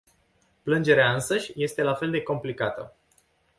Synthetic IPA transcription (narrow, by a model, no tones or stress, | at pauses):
plɨnd͡ʒe̞ɾeaɨnsəʃʲje̞st̪e̞lafe̞ld̪e̞ko̞mplikat̪ə̰